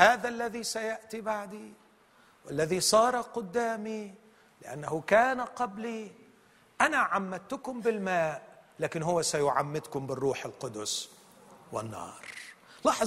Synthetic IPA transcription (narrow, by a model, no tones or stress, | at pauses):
haːðalːaðisajaʔt̪ibaʕd̪i | wɪlːaðisˤɑːɾˤɑqʊd̪ːaːmi | lɪʔa̰nːaɦʊkaːnaqɑbli | ʔanaʕamːad̪̚t̪ʊkʊmbɪlmaːʔlaːkɪnɦʊwːasajʊʕamːɪd̪kʊmbɪrˤːuːħɪlqʊd̪ʊs | wɪnːɑ̰ːɾˤ | lɑħ